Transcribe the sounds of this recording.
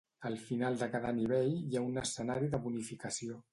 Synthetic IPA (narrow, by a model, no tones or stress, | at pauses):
əlˠfinalˠd̪əkaðəniβ̞eʎjaunəsənaɾiðəβunifikəsio